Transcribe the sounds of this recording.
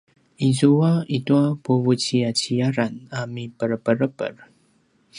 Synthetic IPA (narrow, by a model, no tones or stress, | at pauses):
izuaituapuvut͡ɕiat͡ɕiaɾanamipəɾəpəɾəpə̰r